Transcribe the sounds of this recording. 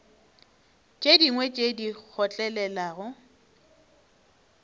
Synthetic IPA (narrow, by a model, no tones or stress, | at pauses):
t͡ʃʼediŋwet͡ʃʼedik͡xʰɔt͡ɬʼɛlɛlaːɣʊ